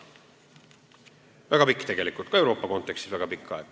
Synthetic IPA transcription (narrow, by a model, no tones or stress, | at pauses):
væɡ̥ɑpikːˑt̪eɡ̥e̞likːˑut̪̚kɑe̞wɾo̞ːpːɑko̞nt̪ːˑekst̪isvæɡ̥ɑpikːˑɑe̥ɑ